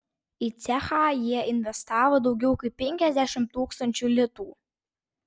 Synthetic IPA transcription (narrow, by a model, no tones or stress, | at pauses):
it̪sʲæxaːjiɛɪnʲʋʲɛst̪ɑːʋod̪ɒʊɡʲɛʊkɐɪpʲpʲɛŋʲkʲɛzʲd̪ʲæʃʲɪmtt̪uːkst̪ɐnʲt͡ʃʲulʲɪt̪uː